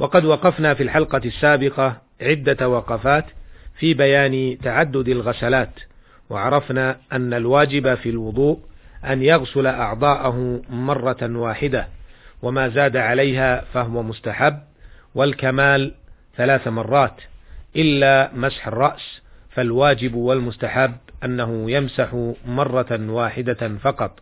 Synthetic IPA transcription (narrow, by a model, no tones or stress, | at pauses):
wʔɑqɑd̪wɑqɑfnaːfiːlħɑlqɑsːaːbɪqɑ | ʕɪd̪ːawɑqɑfaːt̪fiːbajaːnt̪aʕad̪ːʊd̪alɣasalaːt̪ | wɑ̰ʕɑɾˤɑfnaːʔanːalwaːd͡ʒɪbafilwʊd̪ˤuːʔʔanjɑɣsʊlaʔɑʕd̪ˤɑːʔaɦʊmɑrˤːɑwaːħɪd̪awamaːzaːd̪aʕalajɦaːfaɦʊwamʊst̪aħabː | walkamaːl | θalaːθmɑrˤːɑːt̪ʔɪlːaːmasħɑrˤːɑʔsfalwaːd͡ʒɪbwalmʊst̪aħabːʔanːaɦʊjamsaħmɑrˤːɑwaːħɪd̪afɑqɑt̪ˤ